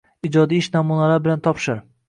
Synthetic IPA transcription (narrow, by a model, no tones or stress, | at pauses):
id͡ʒɒd̪iɪʃnamunalabɪlant̪ʰɒpʃɪɾ